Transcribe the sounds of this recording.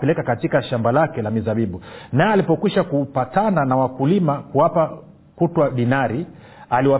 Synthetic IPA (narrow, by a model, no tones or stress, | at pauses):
pɛlɛkakatikaʃambalakɛlamizaɓiɓunaɛalipɔkwiʃakupatananawakulimakuwapa | kutwaɗinaɾi | aliwa